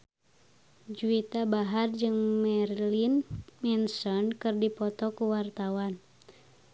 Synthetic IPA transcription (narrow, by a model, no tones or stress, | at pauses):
d͡ʒuit̪abaɦard͡ʒɨŋmɛrlinmɛnsɔnkɨrdipɔt̪ɔkuwart̪awan